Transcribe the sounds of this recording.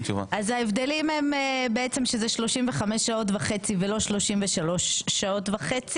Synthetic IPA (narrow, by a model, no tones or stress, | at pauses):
t͡ʃuva̰ʔazaevd̪e̞limhemebeet͡semʃezeʃlo̞ʃimveχamesʃao̞tvaχe̞t͡sivelo̞ʃlo̞ʃimveʃalo̞ʃːao̞tvaχet͡si